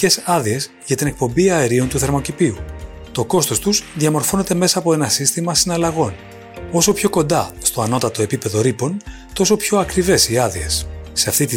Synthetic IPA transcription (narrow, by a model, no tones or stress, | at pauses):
e̞sɐðie̞s | ʝɐt̪ine̞k̚po̞mbiɐeɾio̞nt̪uθe̞ɾmo̞cipiu | t̪o̞ko̞st̪o̞st̪uzðijɐmo̞ɾfo̞ne̞t̪e̞me̞sɐːpo̞e̞nɐsist̪imɐsinɐlɐɣo̞n | o̞so̞pço̞ko̞nd̪ɐst̪o̞ɐno̞t̪ɐt̪o̞e̞pipe̞ðo̞ɾipo̞n | t̪o̞so̞pço̞ɐkɾive̞siɐðiesːe̞ɐft̪it̪i